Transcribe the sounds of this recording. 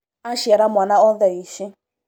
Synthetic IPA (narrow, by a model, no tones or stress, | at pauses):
aʃɛɾamwanaɔðɛiʃɪ